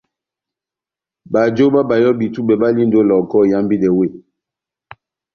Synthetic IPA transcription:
ba˨d͡ʒo˦ba˦ba˨jɔ˦bi˨tu˦bɛ˨ba˦li˦n˨do˦lɔ˨kɔ˦˨ja˦mbi˦dɛ˨we˦˨

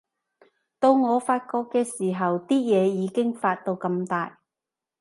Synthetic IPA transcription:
t̪o˧wŋɔː˨˧faː˧t̚kɔː˧kːɛː˧siː˨˩ɦɐ˨wt̪iː˥jɛː˨˧jiː˨˧kɪ˥ŋfaː˧t̚t̪o˧wkɐ˧mt̪aː˨j

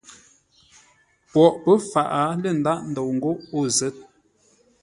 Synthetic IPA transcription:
pwɔ˨ʔpə˦fa˨ʔa˨˦lə˨n̩˨da˦ʔn̩˨do˨ŋ̩˨ɡo˦ʔo˦˨zə˨˦t̚

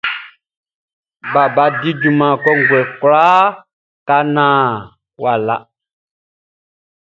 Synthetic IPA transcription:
ba˨ba˨di˦d͡ʒu˨mã˨kɔ˦ŋ̩˨ɡwɛ˨klaː˦ | ka˦nãː˨˦˨ | wa˨la̰˨

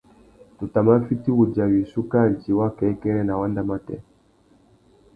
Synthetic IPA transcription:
tu˨ta˨ma˦fi˦ti˦ɣu˨da˨wi˨su˦ka˦˨n˨ti˨wa˦kɛ˨˦kɛ˦ɾɛ˦na˨wa˦nda˦ma˦tɛ̰˦

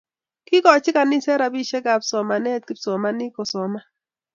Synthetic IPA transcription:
kɪ˦kɔ˨t͡ʃɪ˦ka˨nɪ˦sɛ˦ɾa˨bi˦ʃɛ˦ɡa˨psɔ˨ma˨nɛ˦˨t̪̚kɪ˦psɔ˨ma˦nɪ˦kɔ˨sɔ˨ma˦

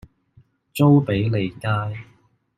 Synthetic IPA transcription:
t͡so˥wpe˨˥jle˨jkaː˥j

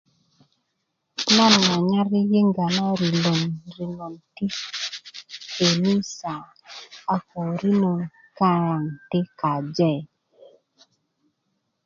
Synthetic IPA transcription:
na˦˨nːa˨ɲa˦ɾi˦je˦ŋɡa˨na˦ɾi˨lo˨nɾi˨no˨nti˦ | e˨ni˦sa˨ | a˨ko˨ɾi˦no˨ŋ | ka˦ɾa˨ŋte˦ka˨d͡ʒɛ˦˨

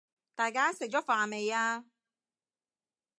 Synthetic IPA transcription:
t̪aː˨jkaː˦se˨k̚t͡ʃɔ˨˦˥faː˨me˨jaː˦

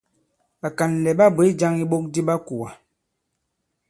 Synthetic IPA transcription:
a˨ka˨n˨lɛ˨ɓa˦bwe˨˦d͡ʒa˦ŋi˦ɓo˦k̚di˦ɓa˦ku˨a˨

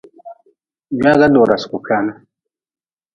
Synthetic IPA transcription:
ɲ˦a˦ɡa˦dɔ˨ɾa˨sku˨ka˦na˦

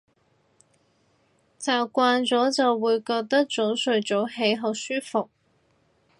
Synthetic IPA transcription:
t͡saː˨˩wkʷaː˧nt͡sɔː˨˥t͡sɐ˨wwuː˨˧jkɔː˧k̚t̪ɐ˥k̚t͡so˨˥wsɵ˨˧ɥt͡so˨˥wɦe˨˥jɦɐ˨˧wsyː˥fʊ˨k̚

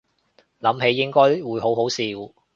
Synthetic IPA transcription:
lɐ˨˥mɦe˨˥jːɪ˥ŋkɔː˥jwuː˨˥jɦo˨˥wɦo˨˥wsiː˨w

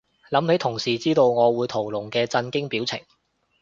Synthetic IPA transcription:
lɐ˨˥mhe˨˥t̪ʰʊ˨˩ŋsiː˨˩t͡siː˥t̪o˧wŋɔː˨˧wuː˨˧jt̪ʰo˨˩wlʊ˨˩ŋkɛː˧t͡sɐ˧nkɪ˥ŋpiː˨˥wt͡sʰɪ̰˨˩ŋ

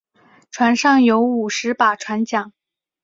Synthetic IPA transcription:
ʈ͡ʂʰwa˧˥nʂɑ˥˩ŋjo˧˥ʊu˨˩ʂɻ̩˧˥pa˨˩ʈ͡ʂʰwa˧˥nt͡ɕjɑ˨˩˦ŋ

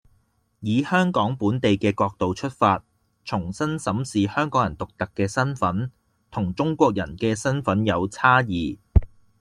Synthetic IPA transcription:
jiː˨˧hœː˥ŋkɔː˨˥ŋpuː˨˥nt̪e˨jkɛː˧kɔː˧k̚t̪o˨wt͡ʃʰɵ˥t̚faː˧t̚ | t͡ʃʰʊ˨˩ŋsɐ˥nsɐ˨˥msiː˨hœː˥ŋkɔː˨˥jɐ˨˩nt̪ʊ˨k̚t̪ɐ˨kːɛː˧sɐ˥nfɐ˨˥n | t̪ʰʊ˨˩ŋt͡ʃʊ˥ŋkʷɔː˧k̚jɐ̰˨˩nkɛː˧sɐ˥nfɐ˨˥njɐ˨˧wt͡sʰaː˥jiː˨

